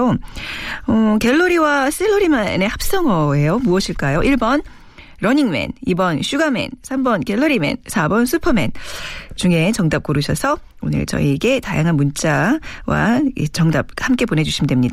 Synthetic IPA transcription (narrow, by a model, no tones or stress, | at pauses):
o | ʌkeɭːoɾiwas͈eɭːoɾimanehap̚s͈ʌŋʌejomuʌɕʰiɭk͈ajoʔiɭbʌn | ɾʌɲiŋme̞̰nibʌnɕʰuɡame̞̰nsʰambʌnkeɭːoɾime̞̰nsʰabʌnsʰupʰʌme̞̰nt͡ɕuŋe̞t͡ɕʌŋdap̚k͈oɾuɕʰʌsʰʌ | onɯ̰ɭt͡ɕʌ̰iɡe̞ta̰jaŋɦanmunt͡ɕ͈awa̰et͡ɕʌŋdap̚hamk͈e̞pone̞d͡ʑuɕʰimdwemɲid̥a